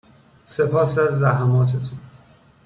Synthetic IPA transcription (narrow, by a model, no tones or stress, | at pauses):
se̞pʰɒːsæzːæɦæmɒːt̪ʰet̪ʰun